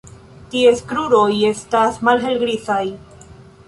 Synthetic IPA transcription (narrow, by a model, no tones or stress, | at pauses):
tie̞skɾuɾo̞je̞stasmalɦe̞lɡɾit͡saj